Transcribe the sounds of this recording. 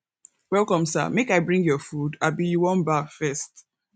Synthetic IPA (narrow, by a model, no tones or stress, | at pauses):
wɛlˠkɔ̃msa̰mekaɪbɹĩŋɡjɔfudabijuwɔ̃nbafɛst